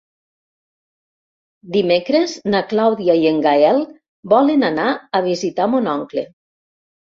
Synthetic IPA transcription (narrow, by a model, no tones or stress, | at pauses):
d̪imekɾeznaklawðiaieŋɡaɛl | bɔlenanaaβizit̪amonɔŋkle